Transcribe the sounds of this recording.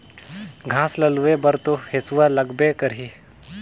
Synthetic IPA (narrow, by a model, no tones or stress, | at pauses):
ɡʱãːslɐluʋebɐɾt̪ohɪsuʋalɐɡbekəɾɦi